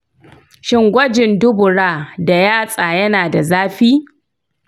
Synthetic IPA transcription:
ʃɪ˦ŋɡʷɐ˦d͡ʒɪ˨ndʊ˦bʊ˨ɽaː˦˨da˨jaː˦sʼaː˨jɐ˦naː˨da˨zaː˦ɸiː˦

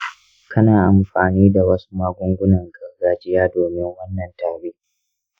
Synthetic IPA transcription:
kʰɐ˦naː˨ʔa˨mɸaː˨niː˦da˨wɐ˦su̥˦maː˦ɡʷʊ˦ŋɡʷʊ˦nɐ˨ŋɡɐ˨rɡaː˨d͡ʒɪ˦jaː˦doː˨mɪ˦ŋwɐ˦nːɐ˨ntaː˨ɽiː˦ʔ

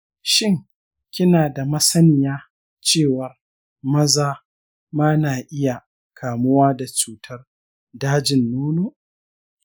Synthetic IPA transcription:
ʃɪ˦˨ŋ | kʲɪ˦naː˨da˨mɐ˦sɐ˦nɪ˨jaː˦ | t͡ʃeː˦˨wɐ˨r | mɐ˦zaː˦ | maː˦naː˨ʔɪ˦ja˨ | kʰaː˨mʊ˦waː˦da˨t͡ʃuː˨˦tʰɐ˦r | daː˦d͡ʒɪ˨nːuː˦noː˦ʔ

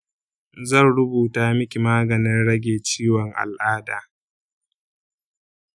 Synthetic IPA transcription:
zɐ˦˨nɽʊ˦buː˨taː˦mɪ˦kʲi˨maː˦ɡɐ˨nɪ˦nɽɐ˦ɡʲeː˨t͡ʃiː˦wɔ˨ŋʔa̰˨lʔaː˦daː˨

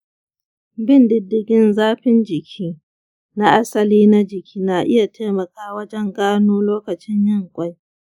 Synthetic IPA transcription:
bɪ˦ndɪ˦dːɪ˨ɡʲɪ˦nzaː˦ɸɪ˦nd͡ʒɪ˨kʲʰiː˦ | na˦ʔa˦sɐ˨liː˦na˦d͡ʒɪ˨kʲʰiː˦naː˨ʔɪ˦ja˨teː˦mɐ˨kaː˦wɐ˦d͡ʒɛ˦ŋɡaː˦noː˦loː˦kɐ˨t͡ʃɪ˦ɲjɪ˦˨ŋkʷʼa˦j

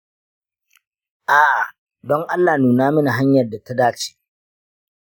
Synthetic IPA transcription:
ʔaː˨ʔa˨ | dɔ˦ŋʔa˦lːaː˨nuː˨naː˦mɪ˦na˨ɦa˦ɲjɐ˨rda˨ta˦daː˦t͡ʃe̥ː˦

